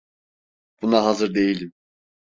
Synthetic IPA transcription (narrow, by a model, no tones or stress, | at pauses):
b̥unaɦazɯɾd̪e̞jilʲim